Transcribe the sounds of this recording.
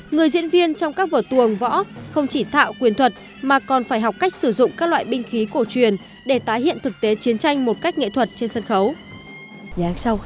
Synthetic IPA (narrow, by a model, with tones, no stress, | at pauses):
ŋɨ˨˩əjzḭ˧˥ənvi˧ənt͡ɕɔ˧wŋ͡mkaː˦˥k̚vəː˧˩t̪ɨ˨˩əŋvɔ̰˧˥xə˧wŋ͡mt͡ɕi˧˩t̪ʰa̰ː˧˨wkwi˨˩ənt̪ʰwə˨˩t̚ | maː˨˩kɔ˨˩nfaː˧˩jɦɔ˨˩wk͡p̚ka˦˥jk̚sɨ˧˩zʊ̰˧˨ŋ͡mkaː˦˥k̚lwa̰ː˧˨jɓï˧ŋ̟xi˨˦ko˧˩t͡ɕwi˨˩ən | ɗe˧˩t̪aː˨˦jɦḭ˧˨ənt̪ʰɨ˨˩k̚t̪e˨˦t͡ɕi˨˦ənt͡ɕa˧jŋ̟mo˨˩t̚ka˦˥k̟̚ŋḛ˧˨t̪ʰwə˨˩t̚t͡ɕe˧nsə˧nxə˨˦w | a˨˧˩sa˧w